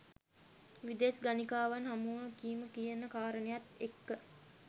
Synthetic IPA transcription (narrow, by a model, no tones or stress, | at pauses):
ʋid̪esɡanikaːʋanɦamuɦəkiːməkijenəkaːɾənejat̪ekːə